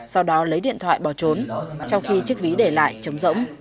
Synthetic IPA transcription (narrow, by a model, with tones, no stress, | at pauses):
sa˧wɗɔ˨˦lə˨˦jɗḭ˧˨nt̪ʰwa̰ː˧˨jɓɔ˧˩t͡ɕo˨˦nt͡ɕɔ˧wŋ͡mxi˧t͡ɕɨ˦˥ək̚vi˨˦ɗe˧˩la̰ː˧˨jt͡ɕə˨˦wŋ͡mzə̰˧˥wŋ͡m